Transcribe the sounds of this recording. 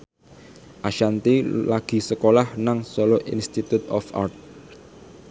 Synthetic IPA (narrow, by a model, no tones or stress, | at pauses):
ʔaʃant̪ilaɡ̥i̤səkolahnaŋsoloʔḭnst̪it̪ut̪ɔfʔa̰rt̪̚